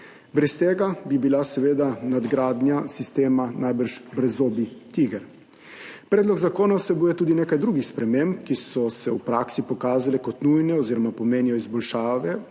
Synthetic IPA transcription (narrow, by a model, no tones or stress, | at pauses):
bɾɛst̪eːɡabibilasɛʋeːd̪anad̪ɡɾaːd̪njasist̪eːmanajbəɾʃbɾɛzoːbit̪iɡɛɾ | pɾɛːd̪lɔɡzakoːnawsɛbuːjɛt̪uːd̪ineːkajd̪ɾuːɡixspɾɛmemp̚kisɔsɛwpɾaːksipɔkaːzalɛkɔt̪nujnɛoziːɾɔmapɔmeːnijɔizbɔlʃaːʋɛ